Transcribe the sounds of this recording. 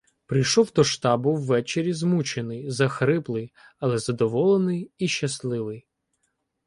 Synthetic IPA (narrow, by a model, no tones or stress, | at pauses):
pɾɨjʃɔwd̪ɔʃt̪ɑbʊwːɛt͡ʃeɾʲizmut͡ʃenɪjzɐxɾɪplˠɪj | ɐlˠɛzɐd̪ɔʋɔlˠenɪjiʃːɐslˠɪʋɪj